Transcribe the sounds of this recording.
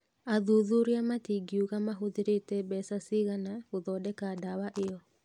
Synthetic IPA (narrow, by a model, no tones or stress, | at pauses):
aðuðuɾeamatiɡiuɣamaɦoðeɾetɛbɛsasiɣanaɣoðɔdɛkadawaʔeɔ